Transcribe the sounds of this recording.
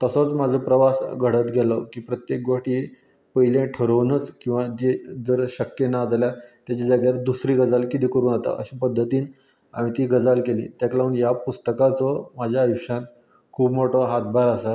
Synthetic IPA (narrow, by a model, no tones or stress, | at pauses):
t̪əsɔt͡smad͡zʱəpɾəʋasɡʱəɽət̪ɡʱelɔkiːpɾət̪jek̚ɡoʂʈiː | pəjlẽʈʰəɾəʋnət͡skĩw̃ʋad͡ʑed͡zəɾɕəkːjenad͡zljat̪jat͡ɕad͡zaɡjaɾd̪usɾiːɡəd͡zalkit̪iːkəɾuːnat̪a̰ʔəɕĩːpəd̪ʱːət̪iːn | a̰ɽ̃ĩt̪iːɡəd͡zalkelḭːt̪jaklaunjapust̪əkat͡sɔmad͡ʑʱjajuɕãt̪ | kʰuːbmoʈɔɦat̪̚bʱaɾasa